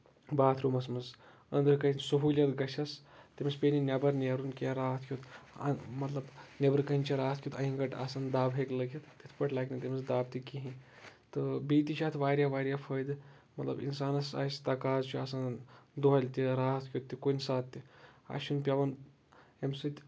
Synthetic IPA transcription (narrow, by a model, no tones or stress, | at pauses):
baːt̪ʰɾumɐsmɐz | ɐ̰nd̪əɾkɐisuɦuːlʲjɐt̪ɡɐʃɐst̪ʲemʲespʲeːninʲɐbɐɾnʲeɾunkaɾaːt̪ʰkʰʲjut̪ | mɐt̪lɐbnʲɐbɐɾkɐinʲt͡ʃʰiɾaːt̪ʰkʰʲjut̪ʰɐɦĩŋɡɐʈa̰ːsand̪aːbɦeklɐɡʲɐt̪t̪it̪ʰpɐʈʰlaːkʲnit̪ʲemʲɐsd̪aːbt̪ikiɦĩ | t̪ɨbiːt̪iʃʰaːt̪ʰʋaːɾʲjaʋaːɾʲjafʰəjd̪ | mɐt̪lɐ̰bḭnsaːnɐsa̰ːst̪ɐkaːzt͡ʃʰiaːsand̪uɦɐlʲt̪ʲiɾaːt̪ʰkʰʲut̪ːikonʲsaːt̪ʲːia̰ːʃunpʲaʋɐn | emsɨt̪ʲ